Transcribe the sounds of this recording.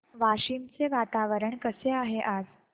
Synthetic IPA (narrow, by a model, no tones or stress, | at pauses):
ʋaɕimt͡seʋat̪aʋəɾəɳkəseaɦeʔad͡z